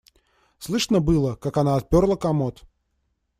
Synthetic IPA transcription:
slˠɨʂnəbɨlˠəkakanaːt̪̚pʲorlˠəkɐmot̪

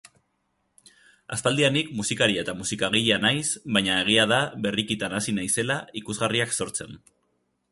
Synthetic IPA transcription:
a̰st̪ald̪ianikmusikaɾiaet̪amusikaɣ̞iʎanajsβajɲae̞ɣ̞iaðaβe̞rikit̪anasinajse̞laikuzɣariakso̞ɾt͡se̞n

